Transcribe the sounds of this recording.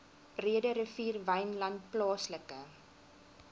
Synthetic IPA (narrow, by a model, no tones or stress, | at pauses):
b̥riədəɾəfiːrvɛjnlɐntplɑːsləkə